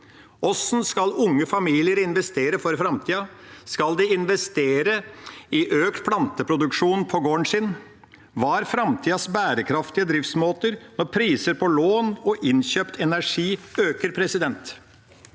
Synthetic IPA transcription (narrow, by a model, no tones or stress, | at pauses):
ʔɔsnskɑlʊŋːəfɑmiːlɪəɾɪnʋɛst̪eːɾəfɔɾfɾɑmt̪ʰiːɑskɑld̪ɪɪnʋɛst̪eːɾəɪʔøːkt̪pʰlɑnt̪əpʰɾʊd̪ʉkʂuːnpʰɔɡoːəɳsɪn | ʋɑːɾfɾɑmt̪ʰiːɑsbæːɾəkʰɾɑft̪ɪəd̪ɾɪft̪smoːt̪əɾnɔɾpʰɾiːsəɾpʰɔloːnɔʔɪnɕøːpt̪ʰɛnæʂiːøːkəɾpʰɾɛsɪd̪ɛnt̪